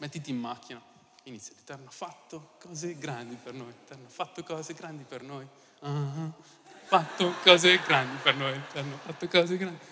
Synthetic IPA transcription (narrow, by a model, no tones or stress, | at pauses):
mɛt̪ːit̪iːmːakːina | init̪sjɾit̪ɛrnafat̪ːokɔːzeɡɾand̪ipernojt̪ɛrnafat̪ːokɔːzeɡɾand̪ipernoj | a | fat̪ːokɔːzeɡɾand̪ipernojit̪ɛrnafat̪ːokɔːzeɡɾand̪i